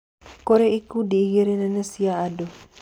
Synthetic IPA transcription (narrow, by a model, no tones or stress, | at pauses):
koɾeikudiːɡiɾenənəsiaado